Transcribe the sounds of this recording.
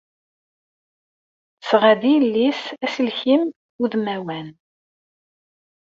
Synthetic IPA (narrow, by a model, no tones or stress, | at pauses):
θəsʁæd̪ilːisæsəlçim | uðmæwæn